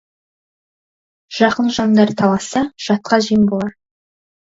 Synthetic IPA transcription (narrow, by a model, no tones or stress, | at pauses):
ʒ̥ɑqənʒɑnd̪ɑɾt̪ʰɑlˠɑsɑʒ̥ɑt̪̚qɑʒijəmbolˠɑ